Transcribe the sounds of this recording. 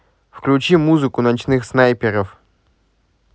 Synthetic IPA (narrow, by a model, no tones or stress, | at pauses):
fklʲut͡ɕimuzɨkʊnat͡ɕnɨxsnajpʲeɾəf